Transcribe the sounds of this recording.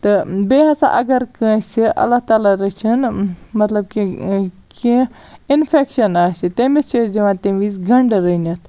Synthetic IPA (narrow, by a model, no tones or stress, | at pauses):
t̪ɨbeːɦɐsa̰ʔɐɡɐɾkə̃ːsiʔɐ̰lːat̪aːlaɾɐt͡ʃʰɐnmɐt̪lɐb̚ki | ki | infʰekʃɐnaːsit̪emit͡ʃʰid͡ʒɐʋãt̪eʋiːsɡɐɳɖɾənɐt̪ʰ